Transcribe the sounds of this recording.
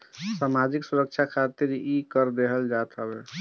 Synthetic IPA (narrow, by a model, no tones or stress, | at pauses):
samad͡ʒiksuɾək̚t͡ʃʰakʰat̪iɾikəɾd̪eɦəld͡ʒat̪ʰɦəbɛ